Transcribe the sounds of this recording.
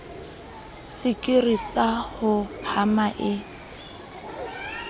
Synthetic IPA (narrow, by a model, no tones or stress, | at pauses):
sɪkʼɪrisahʊhamaʔɪ